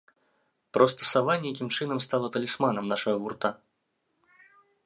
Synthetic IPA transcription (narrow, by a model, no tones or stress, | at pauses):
pɾɔst̪ɐ̥savanʲɛjakʲimt͡ʂɨnɐmst̪alˠɐt̪ɐlʲismanɐmnaʂɐɣɐvurt̪a